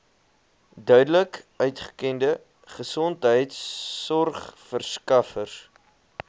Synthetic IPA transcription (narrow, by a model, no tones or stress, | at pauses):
dœɥdələkœɥtχə̥kɛndə | χəsɔntɦəjtsːɔrχfərskɐfərs